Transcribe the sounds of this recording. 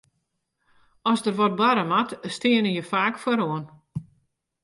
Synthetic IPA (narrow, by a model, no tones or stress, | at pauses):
ɔsdərʋɔt̚blaɾəmatstɪənəjəfaːkfwəɾoən